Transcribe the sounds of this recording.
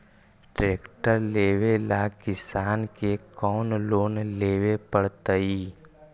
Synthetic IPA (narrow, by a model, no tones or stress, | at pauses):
ʈɾeːkʈəɾleːwelakɪsaːnkekɔːnloːnleːwepəɽt̪əiː